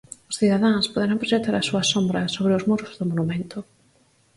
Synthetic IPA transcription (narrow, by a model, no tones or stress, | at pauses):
ʊsθiðaðãŋspoðeɾampɾoʃet̪aɾasuɐsombɾɐsoβɾɪʊzmuɾʊzðʊmonumẽnt̪ʊ